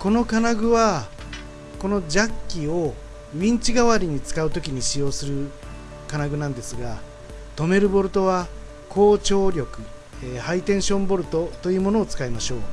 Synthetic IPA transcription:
ko̞no̞kanaɡɯ̟βa | ko̞no̞d͡ʑakʲːio̞ | ĩɲ̟t͡ɕiɡaβaɾʲiɲ̟it͡sɨ̥kaɯ̟t̪o̞kʲiɲ̟iɕijo̞ːsɨɾɯ̟ | kanaɡɯ̟nãnd̪e̞sɨɡa | t̪o̞me̞ɾɯ̟bo̞ɾɯ̟t̪o̞β̞a | kʰo̞ːt͡ɕo̞ːɾʲo̞kɯ̟ | ehait̪ẽ̞ɰ̃ɕõ̞mbo̞ɾɯ̟t̪o̞t̪o̞jɯ̟ːmo̞no̞ːt͡sɨ̥kaimaɕo̞ː

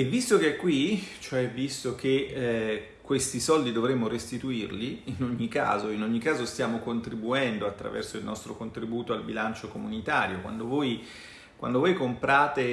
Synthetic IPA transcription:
evːist̪okeɛkːwit͡ʃoɛvːist̪ok̟e | kːwest̪isɔld̪id̪ovɾemːoɾest̪it̪uirliinoɲːika̰ːzoinoɲːikaːzost̪jaːmokont̪ɾibuɛnd̪oat̪ːɾa̰vɛ̰rsoilnʔɔst̪ɾo̰kont̪ɾibuːt̪oalbilant͡ʃokomunit̪aːɾjokwa̰nd̪ovoːj | kwa̰nd̪ovojkompɾaːt̪e

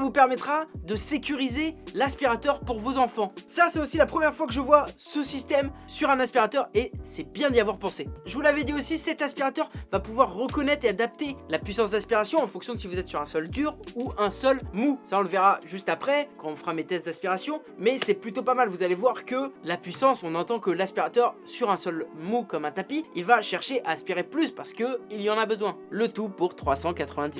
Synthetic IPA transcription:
vupɛʁmɛt̪χad̪əsekʲyʁizelɛ̃spiʁat̪œʁpuʁvozɑ̃fɑ̃sasɛt̪osilapχəmjɛʁfwakəʒəvwasəsist̪ɛmsyʁɛ̃nɛ̃spiʁat̪œʁesɛbjɛ̃d̪ijavwaʁpɑ̃seʒəvulavɛd̪iosisɛt̪ɛ̃spiʁat̪œʁvapuvwaʁːəkɔnɛt̪χead̪ap̚t̪elapɥisɑ̃sd̪ãspiʁasjɔ̃ɑ̃fɔ̃ksjɔ̃d̪sivuzɛt̪syʁɛ̃sɔld̪yʁuʔɛ̃sœlmusaɔ̃ləvɛʁaʒyst̪apχɛkɑ̃ɔ̃fəʁamet̪ɛst̪d̪ãspiʁasjɔ̃ | mɛsɛplyt̪opamalvuzalevwaʁkəlapɥisɑ̃sɔ̃nɑ̃t̪ɑ̃kəlaspiʁat̪œʁsyʁɛ̃sœlmukɔmɛ̃t̪apiilvaʃɛʁʃeʔaɛspiʁeplyspaʁsə̥kəiljɑ̃nabəzwɛ̃lət̪upuʁt̪χwasɑ̃kat̪χəvɛ̃d̪is

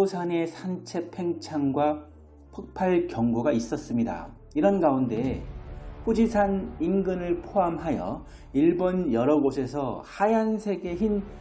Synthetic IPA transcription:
osʰane̞sʰant͡ɕʰe̞pʰe̞ŋt͡ɕʰaŋɡwa | pʰɯk̚pʰaɭkjʌŋɡoɡais͈ʌs͈ɯmɲida̰ | iɾʌnɡaunde̞ | ɸud͡ʑisʰaninɡɯnɯɭpʰoamɦajʌ̰ | iɭbonjʌɾʌɡosʰe̞s̬ʰʌhajansʰe̞ɡe̞çin

